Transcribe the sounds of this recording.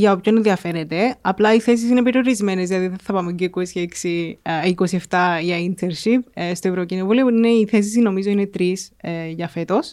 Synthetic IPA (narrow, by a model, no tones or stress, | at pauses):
ʝɐopçonðiɐfe̞ɾet̪e̞ɐplɐiθe̞s̬is̬ine̞pe̞ɾio̞ɾizme̞nezðilɐðiðeθɐpɐmuɲɟoikosieksiikosie̞ft̪ɐʝɐint̪ʰeɾʃipst̪oe̞vɾocino̞vulioine̞iθe̞s̬is̬ino̞mizoine̞t̪ɾisʝɐfe̞t̪o̞s